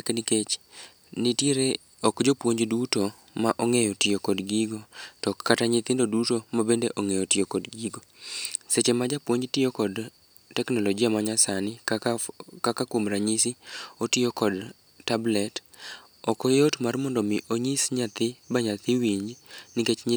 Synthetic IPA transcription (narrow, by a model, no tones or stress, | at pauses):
knɪket͡ʃ | nitjeɾe | ɔkd͡ʒopwoɲd͡ʒduto | maʔɔŋejɔtɪjokɔdɡiɡotɔkʰːataɲɪt̪ɪndodutomabendeʔoŋejɔtɪjokɔdɡiɡoset͡ʃemad͡ʒapwoɲd͡ʒtɪjokɔd | tɛknɔlɔɡiamaɲasanɪ | kakakwomɾaɲisɪotɪjokɔd | tablɛt | ɔkɔjotmarmɔndɔmɪʔoɲisɲat̪ɪbaɲat̪ɪwiɲd͡ʒnɪket͡ʃɲ